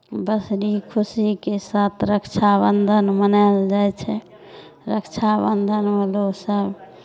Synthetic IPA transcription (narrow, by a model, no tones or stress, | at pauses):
bəsɾikʰusikesat̪ʰɾəkt͡ʃʰabənd̪ʱənmənald͡ʒajt͡ʃʰɛ | ɾəkt͡ʃʰabənd̪ʱənʋəlosəb